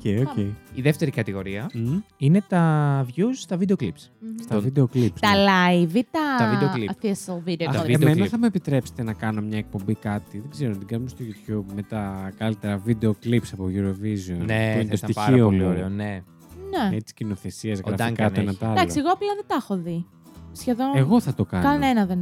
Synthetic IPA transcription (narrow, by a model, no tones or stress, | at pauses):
ocejoceiiðe̞ft̪e̞ɾikɐt̪iɣo̞ɾiɐine̞t̪ɐvʝust̪ɐvid̪eoklipsst̪vid̪eoklipst̪ɐlɐjvit̪ɐt̪ɐvieoliθisovid̪eemmenɐθɐmuepit̪ɾe̞pse̥t̪enɐkɐno̞mɲɐek̚po̞mbikɐt̪iðeɡzeɾonɐt̪iɡɐnumest̪oʝut̪çubme̞t̪ɐkɐlit̪e̞ɾɐvid̪e̞o̞klipsɐpoʝuɾo̞vizionet̪oint̪st̪iiomene | neet͡si̥cino̞θe̞siɐzɣɾɾɐfɐikɐoenɐt̪ɐld̪ɐklksieɣoɐplɐðet̪ɐxoði | sçeðo̞neɣo̞θɐt̪o̞kɐkɐnenɐðen